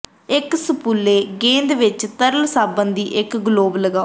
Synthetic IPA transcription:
ɪksəpulːeːɡẽːnd̪ʋɪt͡ʃt̪əɾəlsaːbənd̪iːʔɪkɡloːbləɡaː

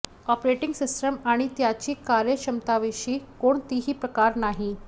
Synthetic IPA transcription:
ɔpɾeʈiŋɡsisʈəmaɽ̃it̪jat͡ɕiːkaɾjəɕəmt̪aʋeɕiːkoɳt̪iɦiːpɾəkaɾnaɦi

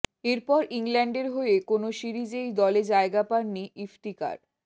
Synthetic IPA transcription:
eɾpɔɾiŋlɛɳɖeɾɦoeekonoʃiɾid͡ʑejd̪ɔled͡ʑaeɡapaɾniifʈ̪ika̰ɾ

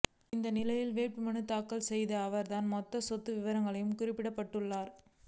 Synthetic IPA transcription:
ɪnd̪ɐnɪlɐjɪlʋeːpimɐɳɯt̪ːaːkːɐlsɛjðɐɐʋɐɾt̪aːnmɔt̪ːɐsɔt̪ːɯʋɪʋɐɾɐŋɡɐɭɐjɯmkʊrɪpːɪɽɐpːɐʈːɯɭːaːɾ

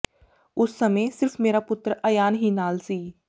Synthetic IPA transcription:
ʊsːəmẽːsɪɾpʰmeːɾaːpʊt̪ːɾəjaːnɦiːnaːlsiː

